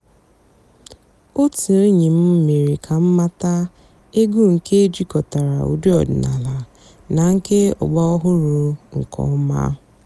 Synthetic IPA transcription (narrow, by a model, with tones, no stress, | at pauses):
o˦ti˨ɾi˦ɲi˨m̩˦m̩˦me˨ɾi˨kʰa˨m̩˦ma˦ta˦ | e˦ɡu˦ŋ̩˨ke˦e˦d͡ʒi˦kɔ˨ta˨ɾa˨ṵ˨di˦ɔ̰˨dɪ˨na˨la˨ | na˨ŋ̩˦ke˦ɔ̰˨ɡ͡bɔ˦ɔ˦ɦʊ˦ɾʊ˨ŋ̩˨kʰɔ̰˦ma̰˦